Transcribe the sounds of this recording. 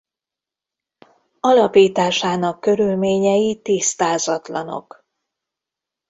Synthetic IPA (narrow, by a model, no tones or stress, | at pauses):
ɒlɒpiːt̪aːʃaːnɒkːø̞ɾylmeːɲɛjit̪ist̪aːzɒt̪lɒno̞̰k